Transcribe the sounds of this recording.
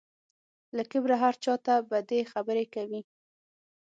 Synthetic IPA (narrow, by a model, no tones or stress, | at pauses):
ləkɪbɾaɦaɾt͡ʃɑt̪abad̪exabəɾekawi